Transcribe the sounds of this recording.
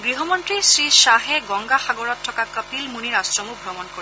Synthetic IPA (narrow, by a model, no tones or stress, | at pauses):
ɡɹiɦɔmɔntɹisɹisaɦɛɡɔŋɡaxaɡɔɹɔtʰːɔkakəpilmuniɹastɹɔmubʱɔmɔnkoɹ